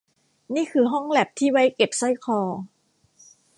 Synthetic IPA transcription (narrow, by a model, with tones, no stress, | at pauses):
niː˥˩kʰɯː˧ɦɔ˥˩ŋlɛ˨˩p̚t̪ʰiː˥˩wa˦˥jke˨˩p̚sɔ˥˩jkʰɔː˧